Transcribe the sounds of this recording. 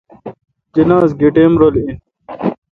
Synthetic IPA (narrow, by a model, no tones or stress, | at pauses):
d͡ʑɐnaːzɡeʈemɾolĩ